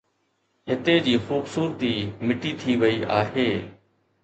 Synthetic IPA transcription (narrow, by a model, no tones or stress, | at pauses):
ɦɪt̪eːd͡ʑiːxuːbsuːɾət̪iːmɪʈiːt̪ʰiːʋəiːʔaːɦeː